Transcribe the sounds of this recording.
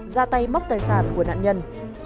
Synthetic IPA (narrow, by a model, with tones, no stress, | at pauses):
zaː˧t̪a˧jma˦˥wk͡p̚t̪əː˨˩jsaː˧˩nku˧˩əna̰ː˧˨nɲə˧n